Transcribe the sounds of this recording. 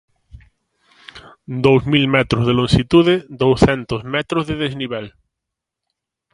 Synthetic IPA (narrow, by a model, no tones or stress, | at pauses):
d̪owsmilmɛt̪ɾozðelõnʃit̪uðed̪owsθɛnt̪ozmɛt̪ɾozðeðezniβɛl